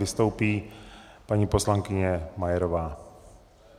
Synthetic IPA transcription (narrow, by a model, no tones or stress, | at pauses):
ɪst̪o̞wpiːpaɲiːpo̞slaŋkɪɲɛmajɛɾovaː